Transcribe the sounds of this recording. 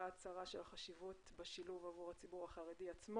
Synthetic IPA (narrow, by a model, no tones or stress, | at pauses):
at͡saʁaʃelaχaʃivutbeʃiluvavuʁat͡sibuʁaχaʁediat͡sm